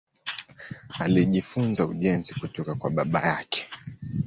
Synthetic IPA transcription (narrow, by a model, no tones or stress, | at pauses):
aliʄifunzauʄɛnzikutɔkakwaɓaɓa̰jakɛ̥